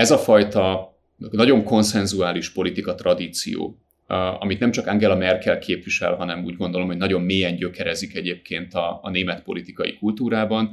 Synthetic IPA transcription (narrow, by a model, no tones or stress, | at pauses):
ɛzɒfɒjt̪ɒ | nɒɟo̞ŋko̞nsɛnzuaːliʃpo̞lit̪ikɒt̪rɒd̪iːt̪sḭjo̰ː | ɒ̰mit̪nɛmt͡ʃɒkaŋɡɛlɒmɛrkɛlkʰeːpʋiʃɛ̰lɦɒnɛmuːɟɡo̞nd̪olo̞mhonɒɟo̞mːeːɛɲɟø̞kɛɾɛzikɛɟeːp̚kʰeːnt̪ɒːneːmɛt̪po̞̰lit̪ikɒjḭkult̪uːɾaːbɒn